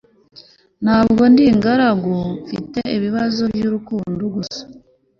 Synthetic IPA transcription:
nhaːbɡo̞ndiŋɡaɾaɡofite̞iβiβazo̞bjuːɾukuːndoɡusḁ

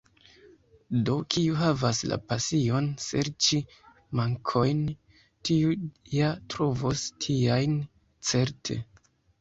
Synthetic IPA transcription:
do̞kʰiuɦavasla̰pasio̞nsḛɾt͡ʃi | maŋkʰo̞jn | tiujatɾo̞vostʰiajn | t͡se̞ɾtʰe̞̰

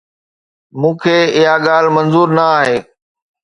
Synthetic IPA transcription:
mũːkʰeːɪɦaɠaːl̤mənzuːɾnəaːɦeː

